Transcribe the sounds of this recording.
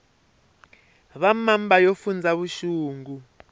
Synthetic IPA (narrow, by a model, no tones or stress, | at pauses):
βamambajofund͡zaβuʃuːŋɡu